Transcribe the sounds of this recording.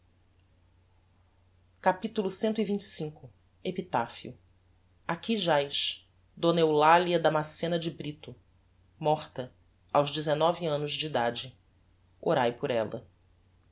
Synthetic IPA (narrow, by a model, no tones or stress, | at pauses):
kapit̪ulʊsẽnt̪ʊivĩnt͡ʃɪ̥sĩkʊ | epit̪afiʊ̰ | akiʒajʃ | d̪onewlaliɐd̪ɐmasẽnɐd͡ʒɪbɾit̪ʊ | mɔχt̪ɐ | awʒd͡ʒɪzenɔviɐ̃nʊzd͡ʒiːd̪ad͡ʒɪ | oɾajpʊɾɛlɐ̰